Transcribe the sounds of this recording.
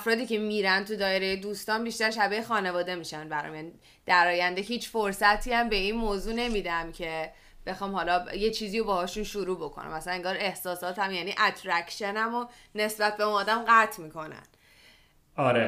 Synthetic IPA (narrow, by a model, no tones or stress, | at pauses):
æfɾɒːd̪iːcʰe̞miːɾænt̪ʰud̪ɒːjeɾejed̪uːst̪ɒːnbiʃt̪æɾʃæbexɒːne̞vɒːd̪e̞miːʃænbæɾɒ̰mjæːni | d̪̥æɾɒːjænd̪e̞ɦiːt͡ʃʰfoɾsæt̪ʰiæmbe̞iːnmoːzuːne̞miːd̪æmcʰe̞ | b̥e̞xɒːmhɒlɒje̞t͡ʃʰiːziːjobɒːhɒːʃunʃuɾuːbo̞kʰo̰nʔæ̰mæsælæneŋɡɒːɾe̞hsɒːsɒːt̪æmjæniːʔæt̪ʰɾæcʃenæmo | ne̞sbæt̪̚beunɒːd̪æmɢæt̪ʰmiːkʰo̞næ̰n | ɒɾe